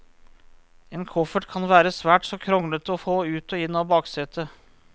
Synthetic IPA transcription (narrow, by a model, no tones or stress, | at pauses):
eːnkʰɔfəʈkʰɑnʋæːɾəsʋæːʈsɔkʰɾɔŋlət̪ɔfoːʉːt̪ɔːɪnːɑːbɑːksɛt̪ʰə